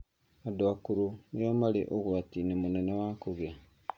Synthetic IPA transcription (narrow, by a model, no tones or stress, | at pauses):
adwakuɾunjomalḭʔoɣwatinimunenewaːŋkuɣe